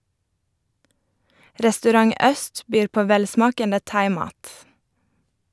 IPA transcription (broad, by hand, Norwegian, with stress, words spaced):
ɾɛstʉˈɾɑŋ ˈœst ˈbyːɾ ˈpoː ˈʋɛlˌsmɑːkəndə ˈtɑɪˌmɑːt